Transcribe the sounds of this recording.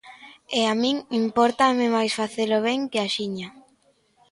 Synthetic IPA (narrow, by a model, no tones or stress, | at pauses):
eamĩŋimpɔɾt̪amɪmajsfaθelʊβ̞ɛŋkɪaʃiɲa